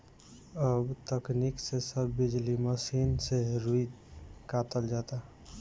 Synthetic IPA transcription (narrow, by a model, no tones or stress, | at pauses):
əbt̪əkniksesəbːid͡ʒliməsinseɾui | kat̪əld͡ʒat̪a